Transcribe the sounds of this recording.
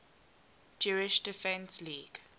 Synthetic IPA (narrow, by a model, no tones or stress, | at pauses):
d͡ʒuɹɪʃdɪfɛ̃nsliːɡ̥